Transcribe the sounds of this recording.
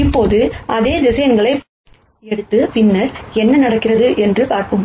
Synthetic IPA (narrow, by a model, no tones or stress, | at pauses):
ɪpːoːðɯʔɐðeːðɪsɐjɐŋɡɐɭɐɪ | ɛɽɯt̪ːɯpɪnːɐɾɛnːɐnɐɽɐkːɪrɐðɯʔɛndrɯpaːɾkɯm